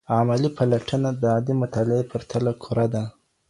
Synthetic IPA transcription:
ɑmalipʰalaʈʰənad̪əɑd̪imʊt̪ɑlɪepʰəɾt̪ʰalakʰuɾad̪a

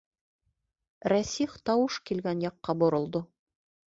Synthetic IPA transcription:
ɾæsiχt̪ɑwɤʃkilɡænjɑqːɑbŏɾŏlˠd̪o

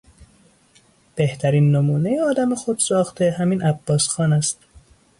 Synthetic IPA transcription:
b̥e̞ht̪ʰæɾiːnːomuːnejeɒːd̪æmexod̪̥sɒːxt̪ʰehæmiːnʔæb̥ːɒːsxɒːnæst̪

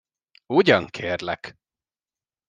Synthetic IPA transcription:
uɟɒŋkʰeːrlɛk

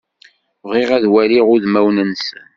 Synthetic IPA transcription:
ʁiʁæðwæliʁʊðmæwnənsən

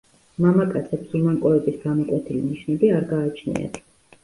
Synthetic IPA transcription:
mamakʼat̪sʰɛpsumaŋkʼɔɛbisɡanɔkʼwɛt̪ʰiliniʃnɛbiaɾɡaːt͡ʃʰnḭa̰t̪ʰ

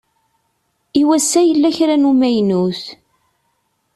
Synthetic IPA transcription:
iwæsːæjəlːæçɾænumæjnuθ

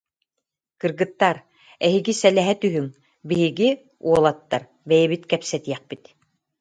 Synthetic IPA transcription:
kɯɾɡɯt̪ːaɾ | ɛɦiɡisɛlɛɦɛt̪yɦyŋ | biɦiɡi | uɔlˠat̪ːaɾ | bɛjɛβit̪kɛpsɛt̪iɛχ̚pit̪

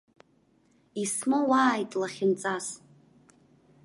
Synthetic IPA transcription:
ismowaːjtʼlaχʲɪnt͡sʼas

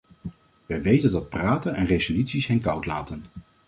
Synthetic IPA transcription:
ʋɛjʋejtəndɑt̚praːtənɛnrejzolytsisɦɛnkʌwtla̰ːtən

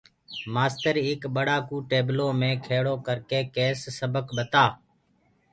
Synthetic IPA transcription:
maːst̪əɾɪkɓəɽaːkuːʈeːbloːmẽːkʰeːɽoːkəɾkeːkeːsːəbəkɓət̪aː

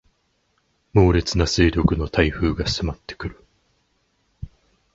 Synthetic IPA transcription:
mo̞ːɾe̞t͡sɨnaseːɾʲo̞kɯ̟no̞t̪ʰaiɸɯ̟ːɡasɨmat̪ːe̥kɯ̟ɾɯ̟

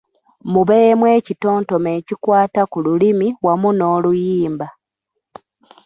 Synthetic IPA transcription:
muβemweːcito̞ːnto̞me̞ːcikwaːtakululimiwamuno̞ːlujiːmba

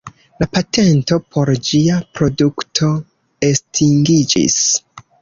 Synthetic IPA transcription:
lapatʰe̞nto̞pʰo̞ɾd͡ʒiapɾo̞duktʰo̞ | estʰiŋɡid͡ʒḭs

